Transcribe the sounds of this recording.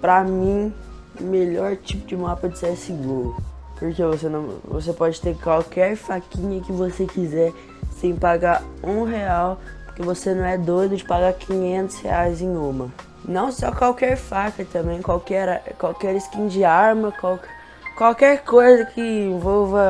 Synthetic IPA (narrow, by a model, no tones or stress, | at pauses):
pɾɐmĩ | meʎɔɾt͡ʃipʊd͡ʒɪmapɐd͡ʒɪsɛsiɡuɾʊpoɾkevosenɐ̃w̃vo̰sepɔd͡ʒɪt̪eɾkwawkɛɾfakĩɲɐkɪvosekizɛ | sẽj̃paɡaũɦeawpoɾkevosenɐ̃w̃ɛd̪ojd̪ʊd͡ʒɪpaɡakʰĩɲẽnt̪ʊ̥shḛajzẽj̃ũmɐ | nɐ̃w̃sɔkwawkɛɾfakɐt̪ɐ̃bẽj̃kwawkɛɾkwawkɛɾɪskĩd͡ʒɪaɾmɐkwawkɛ | kwawkɛɾkojzɐkʰɪẽvɔwvɐ